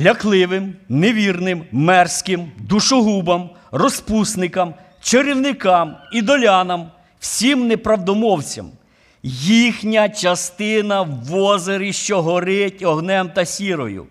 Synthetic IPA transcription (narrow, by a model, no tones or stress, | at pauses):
lʲɐklˠɪʋɪmneʋʲirnɪmːɛrsʲkɪmd̪uʃɔɦubɐm | rɔspusnɪkɐm | t͡ʃeɾiwnɪkɑmid̪ɔlʲɑnɐm | w̥sʲimnɛpɾɐwd̪ɔmɔwt͡sʲɐ̰m | jixnʲɐt͡ʃɐst̪ɪnɐʋɔzeɾiʃt͡ʃɔɦɔɾɪtʲɔɦnɛmt̪ɐsʲiɾɔ̰jʊ̰